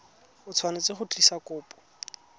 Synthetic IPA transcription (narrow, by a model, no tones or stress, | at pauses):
ʊt͡sʰwanet͡seχʊtʼisakʼʊːpʼɔ̥